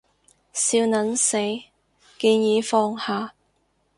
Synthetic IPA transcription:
siː˧wnɐ˨˥nse˨˥j | kiː˧njiː˨˧˥fɔː˧ŋhaː˨˧

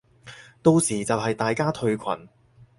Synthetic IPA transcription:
t̪o˧wsiː˨˩t͡sɐ˨wɦɐ˨jt̪aː˨jkaː˥t̪ʰɵ˧ɥkʷʰɐ̰˨˩n

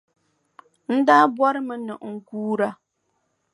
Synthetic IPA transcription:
n̩˦da˦bwa˦ɾɨ˦mɨ˦nɨ˨ŋ̩˨ɡuː˦ɾa˦

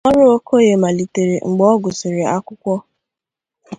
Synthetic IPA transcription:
ɔ˦ɾʊ˦o˦ko˦je˨ma˨li˨te˨ɾe˨ŋ͡m̩˨ɡ͡bɔ˦ɡʊ˨si˨ɾe˨a˦kʷʊ˦kʷɔ˦

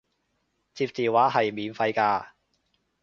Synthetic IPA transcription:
t͡siː˧p̚t͡siː˨waː˨˥ɦɐ˨jmiː˨˥nfɐ˧jkaː˧

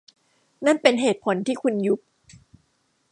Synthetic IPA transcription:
na˥˩npe˧nɦeː˨˩t̪̚pʰo˩˦nt̪ʰiː˥˩kʰu˧nju˦˥p̚

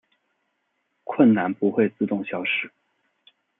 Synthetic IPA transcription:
kʰwə˥˩nna˧˥npu˧˥xwe˥˧ɪt͡sɹ̩˥˧t̪ʊ˥˩ŋɕjɑ˥ʊʂɻ̩˥˩

